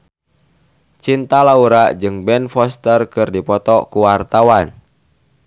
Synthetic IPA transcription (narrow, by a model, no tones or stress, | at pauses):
t͡ʃint̪alauɾad͡ʒɨŋbɛnfɔst̪ərkɨrdipɔt̪ɔkuwart̪awan